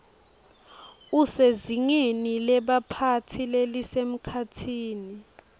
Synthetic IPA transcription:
useziŋenilɛɓapʰatʰilelisem̩kʰatʰiːni

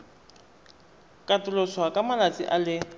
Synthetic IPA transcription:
kʼatʊloswakʼamalat͡sʼḭʔalɪ

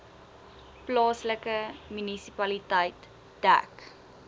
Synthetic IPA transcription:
plɑːsləkəmynisipɐlitəjt | d̥æ̰k

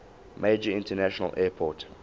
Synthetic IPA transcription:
meːd͡ʒəɪ̃ntənæʃɔnə̰lʔɛpʰɔt

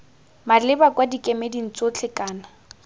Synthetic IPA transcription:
malɪbakwadikʼemedin̩t͡sʼot͡ɬʰɪkʼaːna

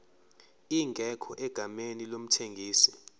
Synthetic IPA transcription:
iŋɡʱɛkʰɔʔɛɡ̥ʱamenilom̩tʰeŋɡʱiːsi̥

